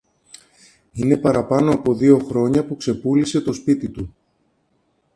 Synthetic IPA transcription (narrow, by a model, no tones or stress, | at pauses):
ine̞pɐɾɐpɐno̞ɐpo̞ðio̞xɾo̞ɲɐpukse̞pulise̞t̪o̞spit̪it̪u